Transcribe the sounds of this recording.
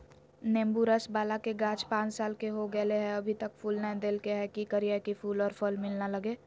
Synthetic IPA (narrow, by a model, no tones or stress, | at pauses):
nẽːmbuɾəsbaːlakeɡãːt͡ʃpãːt͡ʃsaːlkeɦoɡɛleɦɛ̃ɐbʱit̪əkfuːlnɛ̃d̪eːlkeɦɛkikəɾijakifuːlɔːɾfəlmɪlnalɐɡeː